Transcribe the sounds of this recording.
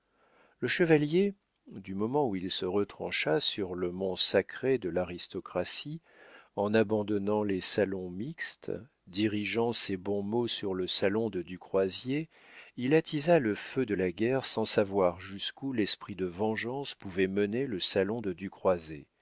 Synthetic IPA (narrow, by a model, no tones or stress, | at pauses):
ləʃəvalje | d̪ymɔmɑ̃uilsəʁət̪χɑ̰̃ʃasyʁləmɔ̃sakχed̪əlaʁist̪ɔkχasi | ɑ̃nabɑ̃d̪ɔnɑ̃lɛsalɔ̃mikst̪ | d̪iʁiʒɑ̃sebɔ̃mosyʁləsalɔ̃d̪əd̪ykχwazje | ilat̪ʰizaləfød̪əlaɡʲɛʁsɑ̃savwaʁʒyskulɛspχid̪əvɑ̃ʒɑ̃spuvɛməneləsalɔ̃d̪əd̪ykχwaze